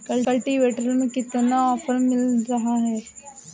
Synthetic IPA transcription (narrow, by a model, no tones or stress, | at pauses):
kɐlkəlʈiʋeːʈəɾəlmekɪt̪naɔːpʰəɾmɪlɾɐɦaɦɛː